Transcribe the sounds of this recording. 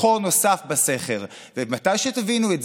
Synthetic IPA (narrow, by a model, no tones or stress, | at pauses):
ono̞safbase̞χel | vemat̪ajʃet̪avinuetz